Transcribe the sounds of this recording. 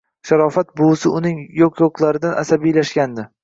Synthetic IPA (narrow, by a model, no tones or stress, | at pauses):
ʃaɾɒfat̪̚bʊsɪʊnɪŋjoqʰjoqlˠaɾɪd̪anʔa̰sabijlaʃɡʲand̪ɪ